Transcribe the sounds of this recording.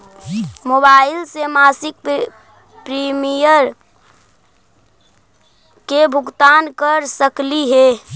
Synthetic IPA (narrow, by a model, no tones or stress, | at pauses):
mobaːɪlsemaːsɪk̚ | pɾimijəɾ | kebʱʊɡt̪aːnkəɾsəkliɦɛː